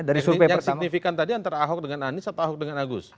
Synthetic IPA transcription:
daɾiupɛjaərsiaknifikant̪adiant̪aɾaːɦɔk̚dəŋananisat̪aɦɔk̚dəŋanaɡʊs

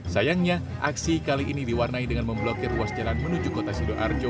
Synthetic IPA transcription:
sajaŋɲa | ʔaksikaliʔinidiwarnaidəŋanməmblokɪruasd͡ʒalanmənud͡ʒukot̪asidoʔa̰rd͡ʒo

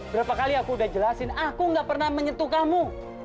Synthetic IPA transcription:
bəɾapakaliakuːdahd͡ʒəlasɪnakuŋɡaʔpərnahməɲət̪ukamu

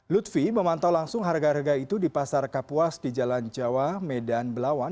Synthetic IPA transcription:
lut̪fiməmant̪awlaŋsʊŋɦarɡaɾəɡait̪udipasarkapuasdid͡ʒaland͡ʒawamedanbəlawan

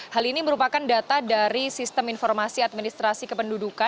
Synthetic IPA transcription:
haliniməɾupakandat̪adaɾisist̪əminfɔrmasiat̪̚minist̪ɾasikəpənduduka

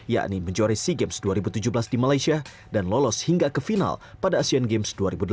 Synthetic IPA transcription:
ja̰ʔniməɲd͡ʒoɾisiɡɛmsduaɾibut̪ud͡ʒuhbəlasdimalajsia | danlɔlɔshiŋɡakəfina̰lpadaːsianɡemsduaɾibudə

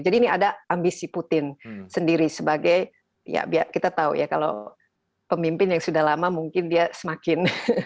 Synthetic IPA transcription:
d͡ʒadiːniadaambisiput̪ɪnsəndiɾisəbaɡaj | ja̰bia̰kit̪at̪aṵjakalo̰ | pəmimpɪnjaŋsudahlamamuŋkɪndiasəmakɪn

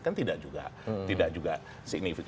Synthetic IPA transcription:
kant̪idaʔd͡ʒuɡa̰ʔt̪idaʔ̚d͡ʒuɡaʔ | siɡ̚nifik

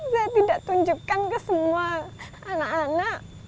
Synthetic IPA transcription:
sajat̪idaʔt̪uɲd͡ʒukːankəsəmuaː | nakanak

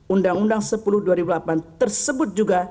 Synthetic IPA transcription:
undaŋundaŋsəpuluhduaɾibulapant̪ərsəbʊt̪̚d͡ʒuɡa

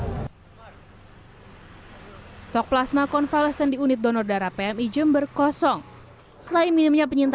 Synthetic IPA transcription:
st̪ɔk̚plasmakɔnfaləsəndiunɪt̪̚dɔnɔrdaɾapeɛmid͡ʒəmbərkɔsɔŋ | səlaiminimɲapəɲint̪

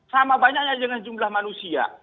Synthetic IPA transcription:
samabaɲak̚ɲadəŋand͡ʒumblahmanusia̰

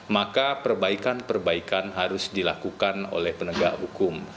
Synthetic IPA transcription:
makapərbaikanpərbaikanɦaɾʊsdilakukano̰lɛhpənəɡaʔhukʊm

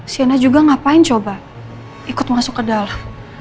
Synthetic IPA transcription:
sianad͡ʒuɡaŋapaɪnt͡ʃoba | ikʊt̪̚masʊkːədal

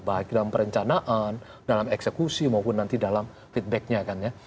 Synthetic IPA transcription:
bak̚dalampəɾəɲt͡ʃanaʔan | dalamɛksekusimaupʊnːant̪idalam | fit̪̚bɛk̚ɲakanja

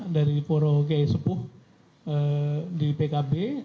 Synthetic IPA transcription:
daɾipoɾok̬iaisəpʊh | ədipekabe

